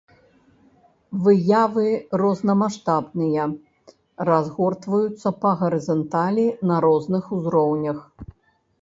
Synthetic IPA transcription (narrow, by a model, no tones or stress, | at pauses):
vɨjavɨrɔznɐmaʂt̪abnɨjɐ | razɣɔrt̪vɐjut̪sːɐpɐɣɐɾɨzɔnt̪alʲinɐɾɔznɨxuzɾɔwnʲɐx